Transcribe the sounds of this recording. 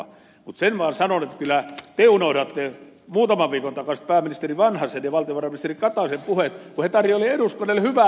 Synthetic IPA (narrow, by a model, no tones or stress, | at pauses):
mut̪senʋɑːnsɑnonet̪ːkylæt̪eunoiɾɑt̪ːe | muːt̪ɑmɑʋʋiːkont̪ɑkɑsi̥t̪̚pæːmːinist̪eriʋɑnhɑsenjɑʋɑlt̪ioʋɑrɑminist̪erikɑt̪ɑsempuhet̪kuhet̪ɑrjooliedust̪ɑnelhyʋæ